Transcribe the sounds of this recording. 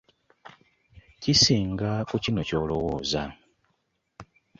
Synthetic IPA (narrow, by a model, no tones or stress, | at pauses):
cisiːŋɡakucino̞co̞ːlo̞woːza